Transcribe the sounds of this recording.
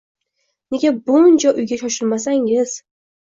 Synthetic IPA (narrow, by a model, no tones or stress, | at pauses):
ne̞ɡʲabʊnt͡ʃʰaʔʊjɡʲaʃɒʃɪlmas̬aŋɪz̥